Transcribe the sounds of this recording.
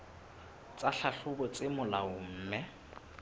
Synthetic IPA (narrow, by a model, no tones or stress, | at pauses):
t͡sʼaɬaɬʊbʊt͡sʼɪmʊlaʊm̩ːmɛ